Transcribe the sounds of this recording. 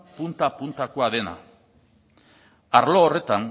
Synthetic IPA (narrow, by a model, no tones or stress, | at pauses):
punt̪apunt̪akoaðe̞na̰ | aɾlo̞ːre̞t̪an